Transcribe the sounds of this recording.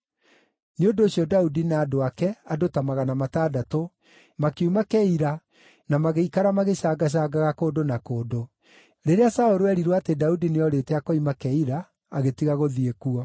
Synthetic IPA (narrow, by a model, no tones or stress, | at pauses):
neodoːsjɔdaudinaːdoakɛadotamaɣanamataːdato | makeumakɛiɾa | namaɣeikaɾamaɣeɕaːɡaɕ̬aːɡaɣakoːdonakoːdo | ɾeɾeasaoɾoɛɾiɾwɔatedaudineɔɾetɛakɔimakɛiɾaː | ɣetiɣaɣoðiekuɔ